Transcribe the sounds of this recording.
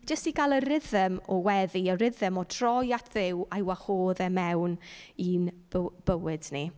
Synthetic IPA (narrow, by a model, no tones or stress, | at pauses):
d͡ʒəstiɡalˠəɾɪðəmɔwɛðiəɾɪðəmɔtʰrɔjatʰðɪwajwahoːðɛmɛwnin | b̥əwɪd̥ni